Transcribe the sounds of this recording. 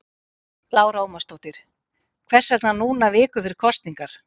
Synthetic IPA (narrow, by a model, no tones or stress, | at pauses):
laːwɾaːwmast̪owt̪ɪɾ̥ | kʰvɛr̥sɛknanuːnavɪːkʏfɪɾɪ̥ɾ̥kʰɔst̪niŋkaɾ̥